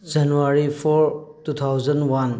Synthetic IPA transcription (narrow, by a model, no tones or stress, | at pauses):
d͡ʒanuaɾipʰɔɾtut̪ʰawd͡ʒɐnwan